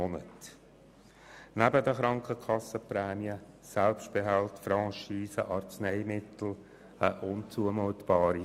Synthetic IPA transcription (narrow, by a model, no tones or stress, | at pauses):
ɔnət | næbəd̪əχɾɑŋkəkʰɑsəpɾɛːmiə | sɛlpʃt̚b̥eɦɛltfɾɑ̃ʃiːsəʔɑɾt͡snɛɪmɪtl̩ | əʔʊnt͡suəmoːt̪b̥ɑːɾi